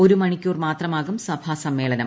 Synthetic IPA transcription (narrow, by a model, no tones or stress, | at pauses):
o̞ɾumɐɳikʲːuːrmaːt̪rɐmaːɣumsɐbʱaːsɐmːe̞ːɭɐnɐm